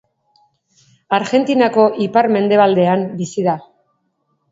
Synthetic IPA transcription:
aɾɣe̞nt̪inako̞ʔipaɾme̞nd̪e̞β̞ald̪e̞ambisiða

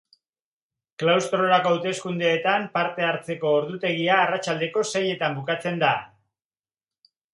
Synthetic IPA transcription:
klawst̪ɾo̞ɾako̞awt̪e̞skund̪eːt̪ampaɾt̪e̞aɾt͡se̞ko̞ːɾðut̪e̞ɣiaːrat͡ʃald̪e̞ko̞seje̞t̪ambukat͡se̞nd̪a

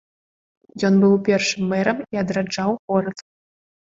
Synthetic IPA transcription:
jɔnbɨwpʲɛrʂɨmːɛɾɐmiɐd̪ɾad͡ʐawɣɔɾɐt̪

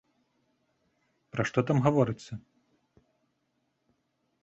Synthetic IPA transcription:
pɾɐʂt̪ɔt̪amɣavɔɾɨt̪sʲːɐ

